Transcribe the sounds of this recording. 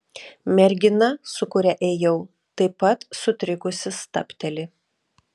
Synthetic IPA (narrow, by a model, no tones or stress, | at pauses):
mʲɛɾʲɡʲɪnɐsʊkʊɾʲɛʔeːjɛʊ | t̪ɐɪpɐt̪sʊt̪ʲɾʲɪkʊsʲɪst̪ɐ̰pʲt̪ʲɛlʲɪ